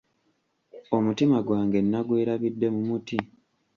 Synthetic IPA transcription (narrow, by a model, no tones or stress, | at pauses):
o̞mutimaɡwaːŋɡe̞nːaɡwe̞ːɾaβidːe̞mumuti